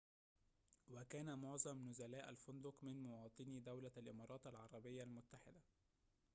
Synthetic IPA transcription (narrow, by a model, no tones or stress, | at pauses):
wækæːnæmoʕzˤɑmnʊzælæːʔælfʊnd̪ʊkmɪnmowɑːt̪ˤɨnid̪æwlælʔɪmɑːɾˤɑːt̪alʕɑɾˤɑbɪjːalmʊt̪ːaħɪd̪æ